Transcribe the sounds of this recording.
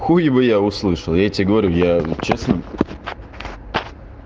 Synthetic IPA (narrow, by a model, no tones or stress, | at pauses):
xujɪbɨjaʊslˠɨʂəlˠjatʲɪɡəvɐɾʲujat͡ɕesnə